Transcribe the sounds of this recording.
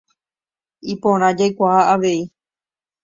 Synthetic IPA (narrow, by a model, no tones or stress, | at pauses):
ipõɾ̃ãd͡ʒajkʷahaaʋe̞i